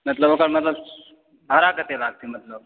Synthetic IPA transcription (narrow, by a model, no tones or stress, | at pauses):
mət̪ləbokəɾmət̪ləb | ɦaɾakət̪elaɡ̚t̪imət̪ləb̚